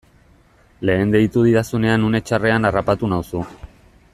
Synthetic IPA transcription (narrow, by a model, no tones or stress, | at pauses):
le̞ːnd̪e̞it̪uð̞iɾasune̞anune̞t͡ʃare̞anarapat̪unawsu